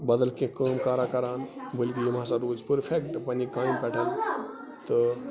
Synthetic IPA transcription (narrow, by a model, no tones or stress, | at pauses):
bɐd̪əlkẽkəːmkaːɾakɐɾaːnbəlkijimãsaɾuːd͡ʒpəɾpʰekʈpɐnikaːjmpɛʈʰən | t̪ə